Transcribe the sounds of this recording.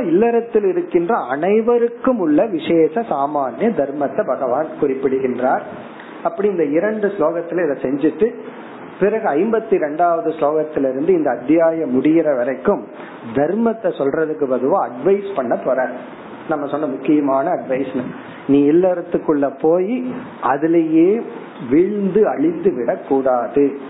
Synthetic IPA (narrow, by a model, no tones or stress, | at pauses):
ɪlːɐɾɐt̪ːɪlɪɾɯkːɪndrɐɐnɐɪʋɐɾɯkːɯmʊɭːɐʋɪʂeːsɐsaːmaːnːɯd̪ɐɾmɐt̪ːɐbɐɣɐʋaːnkʊrɪpːɪɽɯɣɪndraːɾ | ɐpːɐɽɪɪnd̪ɐɪɾɐɳɖɯsloːɣɐt̪ːɪlɪðɐsɛɲd͡ʒɪʈːɯ | pɪɾɐɣɯɐɪmbɐt̪ːiɾɛɳɖaːʋɐðɯsloːɣɐt̪ːɪlɪɾɯnd̪ɯɪnd̪ɐːd̪ɪjaːjɐmʊɽɪjɪɾɐʋɐɾɐɪkːɯm | d̪ɐɾmɐt̪ːɐsɔlrɐðɯkːɯpɐðɯʋõːɐɖʋɐɪspɐɳːɐpːɔːɾaːɾ | nɐmːɐsɔnːɐmʊkːɪjɐmaːnɐːɖʋɐɪsnɯ | niːɪlːɐɾɐt̪ːɯkːɯɭːɐpoːji | ɐðɪlɐjeː | ʋɪɻnd̪ɯɐɻɪnd̪ɯʋɪɽɐkːuːɽaːðɯ